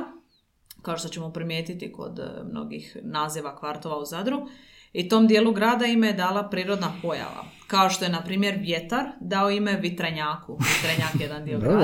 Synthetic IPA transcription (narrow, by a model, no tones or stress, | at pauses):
kaoʃt̪o̞t͡ɕemopɾimjeːt̪it̪iko̞̰d̪mno̞̰ɡḭxnaːziʋakʋaɾt̪o̞ʋauzad̪ɾu | it̪o̞ːmd̪je̞ːluɡɾaːd̪aimejed̪aːlˠapɾiːɾo̞d̪napo̞ja̰ʋa̰kao̞ʃt̪o̞jenapɾiːmje̞ɾʋje̞t̪aɾd̪aoime̞ʋit̪ɾaɲaːkuʋit̪ɾaɲakje̞d̪and̪io